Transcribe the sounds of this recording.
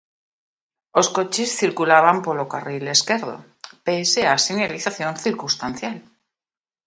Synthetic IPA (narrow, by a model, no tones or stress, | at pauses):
o̞sko̞t͡ʃesθiɾkulaβ̞ampolokarile̞ske̞ɾðo̰ | peseasineliθaθjõ̞nθiɾkust̪an̟θjal